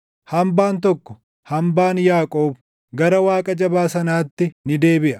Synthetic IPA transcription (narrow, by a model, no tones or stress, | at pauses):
hɐmbaːnt̪ɔkːɔ̥ | hɐmbaːnjaːkʼo̞ːb | ɡɐɾɐwaːkʼɐd͡ʒɐbaːsɐnaːt̪ːɪnɪd̪e̞ːbɪʔɐ̥